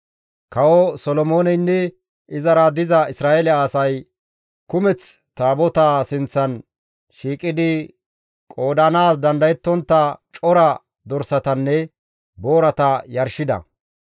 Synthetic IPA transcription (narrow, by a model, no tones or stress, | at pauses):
kɐwɔsɔlɔmoːnɛnːɛ | ʔɪzɐɾɐd̪ɪzɐɪsɾaːelɪaːsɐj | kʊmɛt͡s | t̪aːbɔt̪aːsɪnt͡sːɐn | ʃiːkʼɪd̪ɪ | kʼo̞ːd̪ɐnaːsd̪ɐnd̪ɐjɛt̪ːɔnt̪ːɐt͡ʃʼɔɾɐ | d̪ɔɾsɐt̪ɐnːɛ | boːɾɐt̪ɐjɐɾʃɪd̪ɐ̰